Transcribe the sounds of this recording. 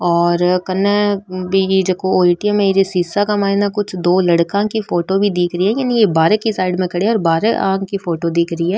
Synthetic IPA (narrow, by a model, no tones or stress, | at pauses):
ɔːɾkɐnebid͡ʒekooːiːʈiɛmẽd͡ʒesiːsakamaːɦinakʊt͡ʃʰd̪oːlɐɽkãkifoːʈobʱid̪iːkʰɾəiɦɛjaːnijebaːɾkisaːɪɖmẽkɐɽeɔːɾbaːɾəʔãːkifoːʈod̪ɪːkʰɾɐiɦɛː